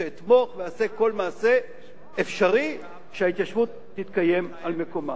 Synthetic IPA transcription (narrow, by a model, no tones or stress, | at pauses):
eit̪mo̞χveaseko̞lmaːse̞ | efʃaʁi | ʃeait̪jaʃvut̪ːit̪kaje̞malme̞ko̞ma